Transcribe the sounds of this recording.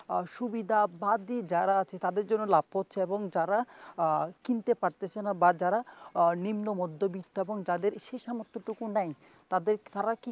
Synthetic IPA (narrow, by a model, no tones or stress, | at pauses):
ʃubid̪ʱabad̪id͡ʑaɾaat͡ɕʰet̪ad̪eɾd͡ʑonːolab̚potːʰeeboŋd͡ʑaɾa | kint̪epaɾt̪et͡ɕʰenabad͡ʑaɾanimnomɔd̪ʱːobit̪ːoeboŋd͡ʑad̪eɾʃeʃamot̪ʰːot̪ukunaj | t̪ad̪eɾt̪aɾaki